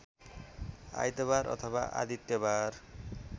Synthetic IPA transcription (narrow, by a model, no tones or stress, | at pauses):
a̰jt̪eβaɾʔɔ̰t̪ʰɔba̰ʔa̰d̪it̪ːebaɾ